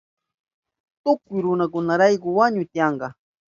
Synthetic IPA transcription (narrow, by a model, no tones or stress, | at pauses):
t̪ʊkʊjɾʊnakʊnaɾajkʊwaɲʊjt̪ɪjɑɴɢɑ